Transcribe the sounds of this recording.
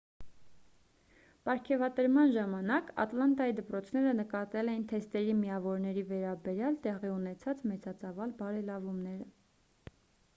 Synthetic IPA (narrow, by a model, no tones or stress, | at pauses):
pɑɾkʰɛvɑt̪əɾmɑnʒɑmɑnɑkɑ̰t̪lɑnt̪ɑjid̪əpɾɔt͡sʰn̪ɛɾənəkɑt̪ɛlɛint̪ʰɛst̪ɛɾimiɑvɔɾnɛɾivɛɾɑbɛɾjɑlt̪ɛʁiunɛt͡sʰɑt͡smɛt͡sʰɑt͡sɑvɑlbɑɾɛlɑvumnɛɾə